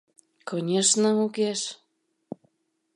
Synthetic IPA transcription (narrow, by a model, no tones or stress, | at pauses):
konʲeʃnəukeʃ